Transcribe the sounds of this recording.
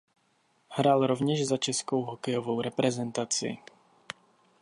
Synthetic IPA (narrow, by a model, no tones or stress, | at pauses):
hɾaːlɾovɲɛʒzat͡ʃɛskowɦɔkɛjɔvowɾɛpɾɛzɛnt̪at͡sɪḭ